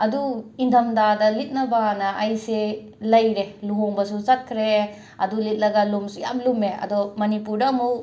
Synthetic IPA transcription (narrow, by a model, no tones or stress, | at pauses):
ɐduindʰɐmdadɐlit̚nɐbanɐʔːjse | lɐjɾeluɦoŋbɐsuzɐt̚kʰɾe | ɐ̰dulit̚lɐɡɐlumsuja̰mlumeɐ̰dɔmɐnipuɾdɐːmuk